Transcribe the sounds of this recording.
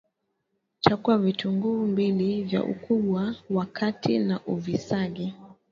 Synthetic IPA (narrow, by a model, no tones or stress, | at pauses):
t͡ʃakuavituŋɡumbilivja̰ʔṵkuɓwawakʰatinaʔuvisaɡɛ